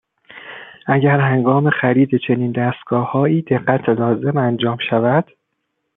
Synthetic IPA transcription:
ʔæɟæɾhæŋɡɒːme̞xæɾiːd̪e̞t͡ʃʰe̞niːnd̪æst̪̚ɡ̥ɒːhɒːiːd̪e̞ɢːæt̪ʰelɒːze̞mænd͡ʒɒːmʃævæd̪̥

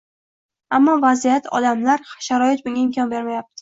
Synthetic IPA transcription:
amːɒvazijat̪ɒ̰d̪amlaɾʃaɾɒjɪt̪̚bʊŋʲaɪmkʰʲɒnbe̞ɾmajap̚t̪ʰɪ̥

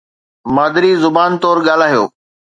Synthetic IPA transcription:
maːd̪ɪɾiːzʊbaːnt̪ɔːɾɠaːl̤aːɦijo̰ː

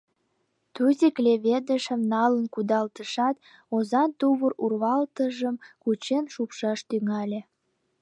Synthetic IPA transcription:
t̪uzʲiklʲeβed̪əʃəmnɑlənkud̪ɑlt̪əʃɑt̪ | ozɑnt̪uβərurβɑlt̪əʒəmkut͡ɕenʃupʃɑʃt̪yŋɑlʲe

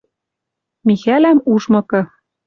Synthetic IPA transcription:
mixælæmuʃmɤ̆kɤ̆

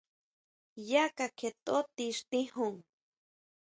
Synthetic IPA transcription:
jakakʰet̪ot̪iʃt̪ihuŋ

